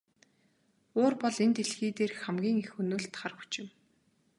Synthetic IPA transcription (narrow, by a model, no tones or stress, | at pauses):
ʊːrpɔɮent̪eɮxiːt̪eːrxæmɡʲiːŋixɵnoːɮt̪χarxu̥t͡ɕɪ̆m